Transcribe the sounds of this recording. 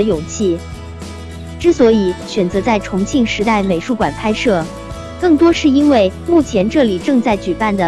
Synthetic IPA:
jo˨˩ŋt͡ɕʰi˥˩ | ʈ͡ʂɻ̩˥˩swɔ˧˥i˨˩˦ɕɥɛ˨˩nt͡sɤ˧˥t͡sa˥˩ɪʈ͡ʂʰʊ˧˥ŋt͡ɕʰi˥˩ŋʂɻ̩˧˥t̪a˥˩ɪme˨˩ɪʂu˥˩kwa˨˩npʰa˥ɪʂɤ˥˩ | kɤ˥˩ŋt̪wɔ˥ʂɻ̩˥˩i˥nwe˥˩ɪmu˥˩t͡ɕʰjɛ˧˥nʈ͡ʂɤ˥˩li˨˩ʈ͡ʂɤ˥˧ŋt͡sa˥˩ɪt͡ɕy˨˩pa˥˩nd̪ə˩

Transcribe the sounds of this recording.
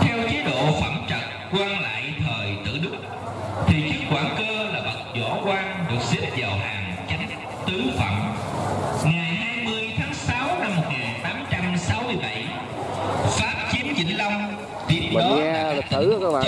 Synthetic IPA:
t̪ʰɛ˧wt͡ɕe˨˦ɗo̰˧˨fə˧˩mt͡ɕə˨˩t̚kwaː˧nla̰ː˧˨jt̪ʰəː˨˩jt̪ɨ̰˧˨ɗɨ˦˥k͡p̚ | t̪ʰi˨˩t͡ɕɨ˦˥kkːwaː˧˩nkəː˧laː˨˩ɓə˨˩t̚zɔ̰˧˩kwaː˧nɗɨ˨˩ək̚zi˦˥əp̚vaː˨˩wɦaː˨˩ŋ | t͡ɕa˨˦jŋ̟ | t̪ɨ˨˦fə̰˧˩m | ŋa˨˩jhaː˧jmɨ˧əjt̪ʰaː˨˦ŋsa˨˦wna˧mːo˨˩t̚ŋaː˨˩nt̪aː˨˦mt͡ɕa˧msa˨˦wmɨ˧əjɓa˧˩j | faː˦˥p̚t͡ɕi˨˦əmt͡ɕḭ˧˥ŋ̟la˧wŋ͡m | t̪i˦˥əp̚aː˧lt̪ɨ̰˧˩˦kː

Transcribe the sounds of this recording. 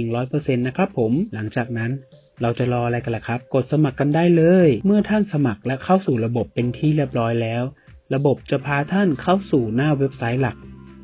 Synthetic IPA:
ŋɾɔː˦˥jpɤː˧se˧nːa˦˥kʰɾa˦˥pʰːo˩˦mla˩˦ŋt͡ɕaː˨˩k̚na˦˥n | ɾa˧wt͡ɕa˨˩ɾɔː˧ʔa˧ɾa˧jka˧nla˨˩kʰɾa˦˥p̚ko˨˩t̪̚sa˧ma˨˩kːa˧ndaː˥˩jlɤː˧jmɯ˥˩ɐt̪ʰa˥˩nsa˧ma˨˩k̚lɛ˦˥kʰa˥˩wsuː˨˩ɾa˧bo˨˩pːe˧nt̪ʰiː˥˩li˦˥˩p̚ɾɔː˦˥jlɛː˦˥w | ɾa˧bo˨˩p̚t͡ɕa˨˩pʰaː˧t̪ʰa˥˩nkʰa˥˩wsuː˨˩naː˥˩we˦˥p̚sa˦˥j̚la˨˩k̚

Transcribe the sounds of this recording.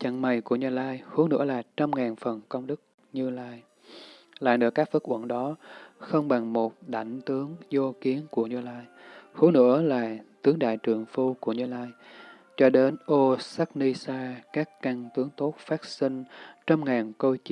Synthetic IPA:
t͡ɕə̰˧˨ŋma˨˩jku˧˩əɲɨ˧laː˧jhu˨˦nɨ̰˧˥əlaː˨˩t͡ɕa˧mŋaː˨˩nfə˨˩nkə˧wŋ͡mɗɨ˦˥k̚ | ɲɨ˧laː˧j | la̰ː˧˩nɨ̰ː˧˩kaː˦˥k̚fə˦˥k̚ʔə̰˧˩˨nɗɔ˨˦xə˧wŋ͡mɓa˨˩ŋmo˨˩t̚ɗa̰˧˩jŋ̟t̪ɨ˨˦əŋzo˧ki˨˦ənku˧˩əɲɨ˧laː˧jhu˨˦nɨ̰˧˥əlaː˨˩t̪ɨ˨˦əŋɗa̰ː˧˨jt͡ɕɨ˨˩əŋfu˧ku˧˩əɲɨ˧laː˧j | t͡ɕɔ˧ɗe˨˦nʔo˧sa˦˥k̚ni˧saː˧kaː˦˥kːa˧ŋt̪ɨ˨˦əŋt̪o˦˥t̚faː˦˥t̚si˧ŋ̟t͡ɕa˧mŋaː˨˩nko˧jt͡ɕi˧

